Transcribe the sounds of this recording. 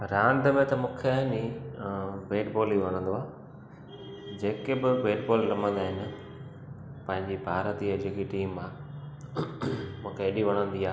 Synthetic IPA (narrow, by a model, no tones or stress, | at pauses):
ɾãːɳɖ̪əmẽt̪ɐmũːkʰeni | beːʈboːliʋɐɽ̃ə̃nd̪oaː | d͡ʑeːkebɪʋeːʈboːllɐmə̃nd̪aːɦɪnɪ̆ | pɐ̃ɦɪ̃ɲd͡ʑibʱaːɾət̪iːɐd͡ʑekiʈiːmːã | mũːkʰeːɗiʋɐɽ̃ə̃nd̪iaː